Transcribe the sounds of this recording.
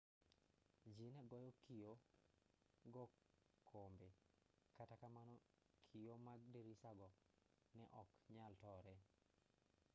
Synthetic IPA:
d͡ʒinɛɡɔjɔkijo | ɡɔkʰːombekatakamanɔ | kʰijomaɡdeɾisaɡɔnɛʔɔkɲaltɔɾɛ

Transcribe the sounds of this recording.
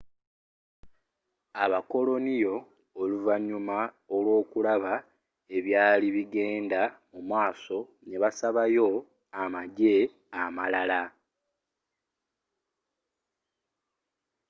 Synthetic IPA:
aβako̞lo̞nijo̞ː | luvaɲːuma | olwo̞ːkulaβa | e̞βjaːliβiɡe̞ːndamumwaːso̞ | ne̞βasaβajo̞ | amaɟe̞ | amalala

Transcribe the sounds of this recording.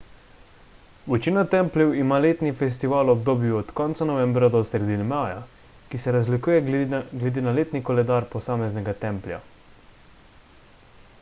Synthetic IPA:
ʋɛt͡ʃinat̪ɛmplʲɛwimaːleːt̪nifɛs̬t̪iʋaːlɔb̚d̪oːbjuɔt̪kɔːnt̪sanɔʋɛ̃mbɾad̪ɔsɾɛd̪inɛmaːja̰ | kisɛɾazlikuːjɛɡlɛd̪eːnaleːt̪nikɔlɛd̪aːɾpɔsaːmɛznɛɡat̪ɛmplʲja̰

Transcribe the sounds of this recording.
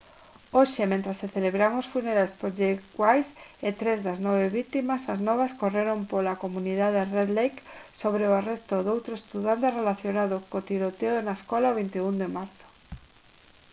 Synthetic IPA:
oʃemẽnt̪ɾasːeθeleβɾamosfuneɾajspoʒewajset̪ɾezðaznɔβ̞eβit̪imasaznɔβ̞askoreɾompolakomũniðaðereðlejksoβ̞ɾeoarest̪oðowt̪ɾoest̪uðant̪erelaθjonaðokot̪iɾot̪eoenaeskɔlaoβ̞int̪eund̪emaɾθo̥

